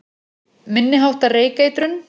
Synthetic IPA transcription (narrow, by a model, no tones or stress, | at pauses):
mɪnːɪɦawht̪areːjkeːjt̪ɾʏn